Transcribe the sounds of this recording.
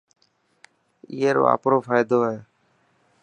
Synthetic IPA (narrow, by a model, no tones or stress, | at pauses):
ḭːeːɾo̰ːa̰ːpɾoːfaːjd̪oːɦɛ̃ː